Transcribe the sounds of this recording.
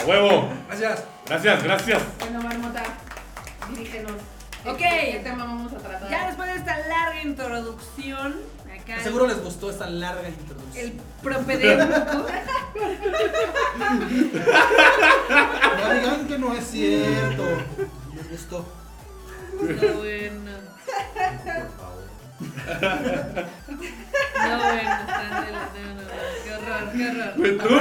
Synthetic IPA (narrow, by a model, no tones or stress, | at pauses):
weβoɾasjas | ɡɾas̬jasɣɾasjasbenomaɾmot̪a | d̪iɾixenos | okejet̪emaβaβamosat̪ɾat̪ad͡ʒaðespwe̞zðeest̪alaɾɣaint̪ɾoðuksjon | akaasseɣuɾole̞zɣust̪o̞est̪alaɾɣaint̪ɾoðuksel | pɾompeðto | alɣaŋkenoesːjeɾt̪olezɣust̪o | wena | ofa̰βoɾ | oeenonoɡaraaraet̪u